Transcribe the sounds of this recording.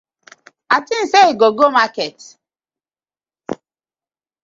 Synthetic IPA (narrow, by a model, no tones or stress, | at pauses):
atĩn̩seiɡoɡomakɛt